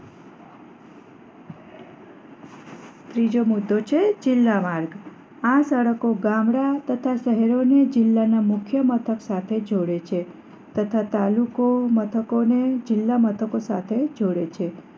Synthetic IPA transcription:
t̪ɾid͡ʒomud̪ʱːot͡ʃʰed͡ʒɪlːamaɾɡ | ãsəɽəkoɡãmɽat̪ət̪ʰaʃəɦeɾoned͡ʒɪlːanamʊkʰjəmət̪ʰəksat̪ʰed͡ʒoɽet͡ʃʰe | t̪ət̪ʰat̪alukomət̪ʰəkoned͡ʒɪlːamət̪ʰəkosat̪ʰed͡ʒoɽet͡ʃʰe

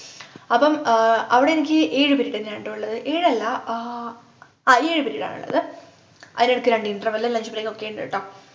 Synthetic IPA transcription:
ɐpːɐmɐʋiɽeenikʲːɨʔeːɻɨpiɾiːɽenːɐɳɖɐuɭːɐðɨʔeːɻɐlːɐ | eːɻɨpiɾiːɽa̰ːɳṵɭːɐ̰ðɨ | ʔɐðineɽukːɨɾɐɳɖiɳɖrɐʋɐlːɐlɐɲd͡ʑupɐrekːokːeɳɖḛɨʈːɐːm

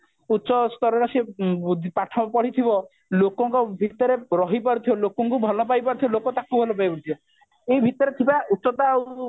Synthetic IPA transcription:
utːʃɔst̪ɔɾɔɾased̪ʱpaʈʰɔbpɔɽ̤it̪ʰibɔ | lokɔŋkɔbʱit̪ɔɾeɾɔɦipɔɾut̪ʰibɔlokɔŋkubʱɔlɔpajpɔɾut̪ʰibɔlokɔt̪akubʱɔlɔpajpɔɾt̪ʰibɔ | ejbʱit̪ɔɾet̪ʰibautːsɔt̪aw

